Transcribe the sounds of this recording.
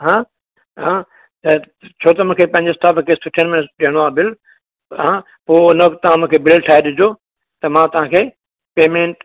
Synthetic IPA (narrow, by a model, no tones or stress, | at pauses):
ɦãː | ɦãː | t̪ɐ | t͡ɕʰoːt̪ɐmʊ̃ːkʰepɐ̃ɦɪ̃ɲd͡ʑeɪsʈaːpkʰeːsʊʈʰənmɪnəsɗiəɽ̃oaːbɪl | ɦã | poːnɐʋkt̪ɐʋ̤ãmʊ̃ɦkʰebɪlʈʰaːeɗɪd͡ʑʱo | t̪ɐmãt̪ɐʋ̤ãːkʰeː | peːmẽːɳʈ